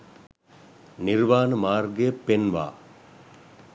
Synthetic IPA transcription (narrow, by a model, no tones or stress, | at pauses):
niɾʋaːnəmaːrɡepːenʋa̰ː